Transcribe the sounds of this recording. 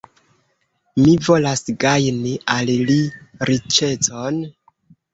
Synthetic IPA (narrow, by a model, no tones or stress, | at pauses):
mivo̞lasɡajniʔalliɾit͡ʃe̞t͡son